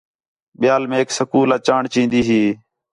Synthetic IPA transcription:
ɓɪjaːlmẽːeːksəkuːlaːt͡ʃaːɳt͡ʃĩːnd̪iːɦiː

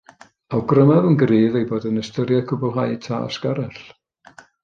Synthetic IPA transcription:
awɡrəmavənɡriːðejboːdənəstəɾjakʰʊbɔlˠɦajtʰa̰a̰skaɾɛɬ

